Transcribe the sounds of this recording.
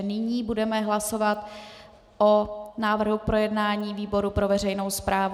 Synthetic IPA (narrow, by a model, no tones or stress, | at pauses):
nɪɲiːbudɛmɛɦlaso̞vat̪ | ʔonaːvr̩ɦupɾo̞jɛdnaːɲiːviːbo̞ɾupɾo̞vɛrɛjnowspɾaːv